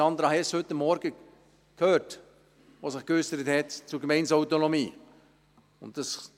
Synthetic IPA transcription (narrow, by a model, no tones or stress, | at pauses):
ɑnd̪əɾɑhɛshʏtːəmːɔɾɡ̥ə | kʰøːt | ʋoːsɪχkœsəɾəthɛtt͡sʊɾɡmɛɪnsaʊtonomiː | ʊ̰ntd̥ɑs